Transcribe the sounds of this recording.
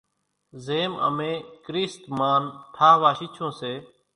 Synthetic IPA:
zeːmə̰mẽːkɾiːst̪maːnt̪ʰaːɦʋaːʃiːt͡ʃʰõːseː

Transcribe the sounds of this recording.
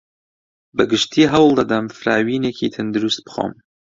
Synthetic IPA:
bɨɡɨʃt̪ʰiːɦɐwlˠd̪ɐd̪ɐmfɨɾaːwiːneːkʰḭːt̪ʰɨnd̪ɨɾust̪̚bɨ̥xo̰ːm

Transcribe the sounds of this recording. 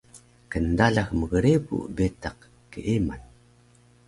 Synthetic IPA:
kəndaɮaxməɣəɾepṵbetaq | kə̰ʔeman

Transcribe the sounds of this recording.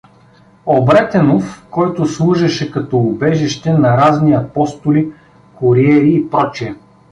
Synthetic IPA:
obɾɛt̪ɛnofkɔjt̪ʊslˠuʒɛʃɛkɐt̪ɔʊbɛʒiʃt̪ɛnɐɾazniɐpɔst̪ʊli | kʊɾiɛɾiːpɾɔt͡ʃiɛ

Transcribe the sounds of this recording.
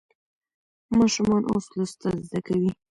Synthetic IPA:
mɑʃumɑnʔo̰slast̪azd̪akawi

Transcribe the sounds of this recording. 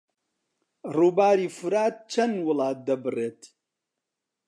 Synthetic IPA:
ruːbaːɾiːfɨɾaːt̪̚t͡ʃʰɐnwʊlɑːt̪̚d̪ɐbɨreːt̪

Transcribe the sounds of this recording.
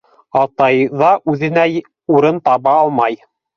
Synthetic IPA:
ɑt̪ɑjðɑʔʉðɘ̆næ | uɾɤnt̪ɑβɑɑlˠmɑj

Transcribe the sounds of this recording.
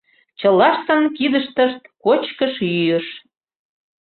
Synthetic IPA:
t͡ɕəlɑʃt̪ənkid̪əʃt̪əʃt̪kot͡ɕkəʃjyjə̆ʃ

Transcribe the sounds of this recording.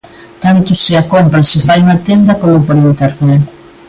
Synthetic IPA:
t̪ant̪ʊseakompɾɐsɪfajuŋat̪end̪ɐkomʊpoɾent̪eɾpe

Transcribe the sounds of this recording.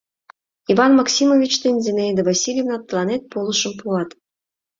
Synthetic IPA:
ivɑnmɑksʲimovʲit͡ɕt̪enʲzenejd̪ɘ̆vɑsʲilʲjevnɑp̪lˠɑnet̪̚polˠɤ̆ʃɤ̆mpuɑt̪

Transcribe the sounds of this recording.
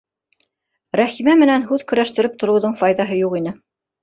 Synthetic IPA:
ɾæχimæmɘ̆nænɦʉðkɵ̆ɾæʃt̪ɘ̆ɾɘp̚t̪ŏɾɤ̆wðɤɴfɑjðɑɦɤjuqinɘ

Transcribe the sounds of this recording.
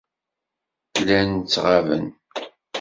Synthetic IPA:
lænt͡sːʁavə̰n

